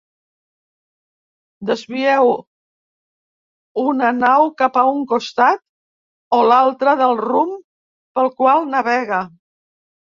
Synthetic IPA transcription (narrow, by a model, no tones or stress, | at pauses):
d̪əzβiɛw | unənawkapəuŋkust̪at̪ | olalˠt̪ɾəðəlˠrum | pəlˠkwalˠnəβɛɣə